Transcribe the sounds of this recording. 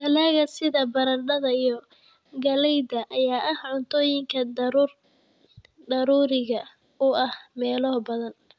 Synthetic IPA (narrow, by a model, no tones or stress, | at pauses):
ɡɐlaːɣɐsɪðɐbɐɾɐnɖɐðɐijɞ | ɡɐlɛjdɐʔɐjaːʔɐhʕʊnt̪ʰɔːjɪŋkʰɐdɾr | d̪ɐɾuːɾɪɣɐ | ʊɐhmɛːlɔbɐðɐn